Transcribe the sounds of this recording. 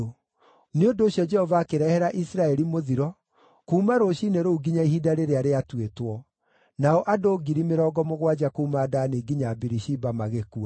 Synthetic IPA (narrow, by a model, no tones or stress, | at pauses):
neondoːɕjɔd͡ʒɛhɔvaːkeɾɛhɛɾaʔisɾaɛɾimoðiɾɔ | kuːmaɾoːɕiːneɾouɡiɲaiɦidaɾeɾeaɾeatwetwɔ | naɔʔadoːɡiɾimeɾɔːɡɔmoɣwad͡ʒakoumadaneɡiɲabiɾiʃibamaɣekua